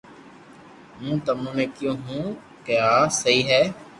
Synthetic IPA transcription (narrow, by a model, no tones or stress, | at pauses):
mũːt̪əmũːnẽːkɪjõːɦũː | keaːsəiːɦɛː